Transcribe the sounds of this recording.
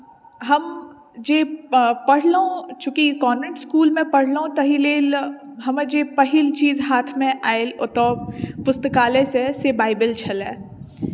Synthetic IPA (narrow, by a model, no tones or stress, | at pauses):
ɦɐm | d͡ʒeːpɐɽ̤lõt͡ʃũːkikɔːẽɳʈskuːlmẽpɐɽ̤lõt̪ɐɦileːlɦɐməd͡ʒeːpɐɦɪlt͡ʃiːzɦaːt̪ʰmẽʔaːelot̪ɔːpʊst̪əkaːlẽsesebaːɪbɪlt͡ʃʰɐlɛː